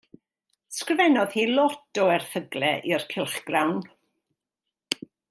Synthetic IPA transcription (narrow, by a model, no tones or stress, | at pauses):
skrɪvɛnɔðhiːlˠɔtɔɛrθəɡlˠɛʔirkʰɪlˠχɡ̥rawn